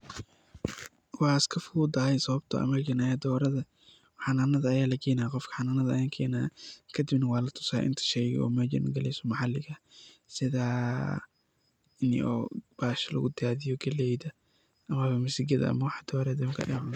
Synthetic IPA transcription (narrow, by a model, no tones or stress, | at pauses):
wɑːɪskʰɐfuːd̪ɐhɛjsɐβɐb̚t̪ʰɐ̰ʔɐ̰mɐlɡɐnaːjad̪ɔːɾɐðɐ | ħɑnaːnɐðɐːjaːlɐkʰɛːjnaːqɔfkʰɐ̥ħɑnaːnɐðɐɐjaːŋkʰɛːjnaːkʰɐd̪ɪbnɐwɑːlɐt̪ʰʊ̥sa̰ːʔɪ̰nt̪ʰɐ̥ʃɛjɣɪ̰ɔ̰ːmɛːd͡ʒɐ̰nɡɐlɛjsɔmɑħɑlːɪɣɐsɪðaː | ɪnɪ̰ʔɔ̰ːb̥aːʃɐlɐ̰ɣʊd̪ɪaːðɪjɔɡɐlɛjðɐ | ʔɐmɐβɐmɪsɪɡɐðɐ̰ɐ̰mɐwɑħɑd̪̥ɔːɾɐd̪ɐŋkʰɐʔɐ̰jaːʕʊn